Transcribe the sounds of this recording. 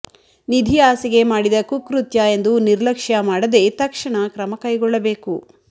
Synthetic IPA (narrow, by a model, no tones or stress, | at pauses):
nid̪ʱiaːsiɡe̞maːɽid̪ɐkukɾut̪jɐe̞nd̪uniɾlɐkʂjɐmaːɽɐd̪e̞t̪ɐkʂɐɳɐkɾɐmɐkɐjɡɔɭːɐbe̞ːku